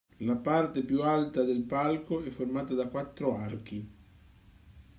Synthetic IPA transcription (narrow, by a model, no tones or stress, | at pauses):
lapart̪epjualt̪ad̪elpalkoɛfːormaːt̪ad̪akwat̪ːɾoark̟i